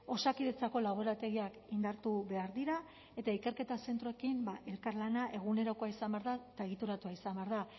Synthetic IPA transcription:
o̞sakiðe̞t͡sako̞lawβeɾat̪e̞ɣiakind̪aɾt̪uβe̞aɾðiɾa | e̞t̪aike̞ɾke̞t̪ase̞nt̪ɾo̞ekimbaʔe̞lkaɾlanaʔe̞ɣ̞une̞ɾo̞ko̞aisambeaɾðat̪aeɣ̞it̪uɾat̪uaisambeaɾða

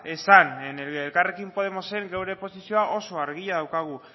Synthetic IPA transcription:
esaneneelkare̞kimpo̞ð̞e̞mo̞se̞ŋɡewɾe̞po̞sisio̞aʔo̞so̞aɾɣiʎaðawkaɣ̞u

